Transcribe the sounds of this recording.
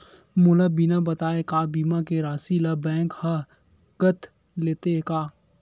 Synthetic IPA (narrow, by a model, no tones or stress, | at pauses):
mʊlabinabɐt̪aːekaːbiːmakeɾaːsilabɛ̃ːŋkhɐ | kət̪ | leːt̪ekaː